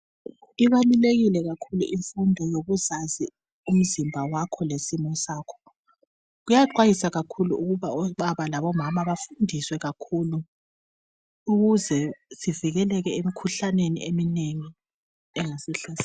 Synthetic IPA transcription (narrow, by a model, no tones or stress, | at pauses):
iβaluleɣilɛɣakʰulṵʔiɱfundʱɔjoɣuzazi | um̩zimbʱawakʰɔlesimɔsaːkʰɔ̥ | ɣujaǃwajisaɣakʰuluuɣuβaɔɓaβalaβɔmamaβafundʱiswɛɣakʰulu | uɣuzɛsiviɣɛlɛɣɛemikʰuɬanenḭemineŋi | ɛŋasɛɬɛs